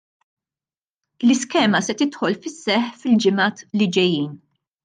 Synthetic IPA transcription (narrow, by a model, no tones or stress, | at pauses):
lɪskɛːmɐsɛt̪ɪt̪ħɔlfɪsːɛħfɪld͡ʒɪmɐːt̪lɪd͡ʒɛjːiːn